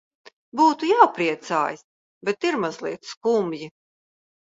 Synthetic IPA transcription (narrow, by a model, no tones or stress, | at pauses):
buːt̪ujawpɾiɛt̪sa̰ːjis | bɛt̪iɾmazlˠḭɛt̪skumji